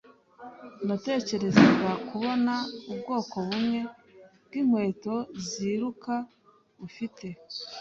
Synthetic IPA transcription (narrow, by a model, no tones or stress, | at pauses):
nate̞ːce̞ɾe̞zeβakuβo̞naubɡo̞ːko̞βumŋe̞b̚ɡim̥hwe̞ːto̞ziɾuka | βufite̞